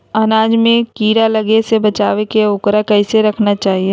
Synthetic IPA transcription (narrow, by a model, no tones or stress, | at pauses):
ɐnaːd͡ʒmẽkiːɾalɐɡesebɐt͡ʃaːʋekeʊːkɾakɛɪseɾɐkʰnat͡ʃaːɦie